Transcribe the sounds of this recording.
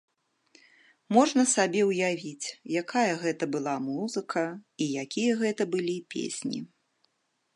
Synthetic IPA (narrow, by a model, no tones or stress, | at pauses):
mɔʐnɐsabʲɛwjavʲit͡sʲjakʰajɐɣɛt̪ɐbɨlˠamuzɨkʰɐijakʲijɐɣɛt̪ɐbɨlʲipʲʰḛsʲnʲḭ